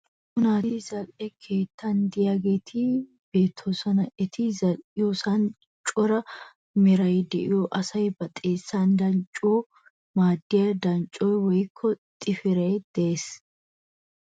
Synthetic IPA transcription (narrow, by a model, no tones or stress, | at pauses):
kʊnaːtɪzɐlʼɛkʰe̞ːt̪ːɐnd̪ɪjaɡeːt̪ʰɪ | b̥e̞ːt̪ʰːoːsɐnɐɛt̪ʰɪzɐɪjoːsɐn | t͡ʃʼɔɾɐ | mɛɾɐjd̪ɛʔɪ̰joʔɐsɐjbɐt̪ʼeːsːand̪ɐnt͡ʃʼːoː | maːd̪ːɪjɐd̪ɐnt͡ʃʼojwɔjkʰːɔt̪ʼɪfɪɾɛd̪̥ɛʔeːs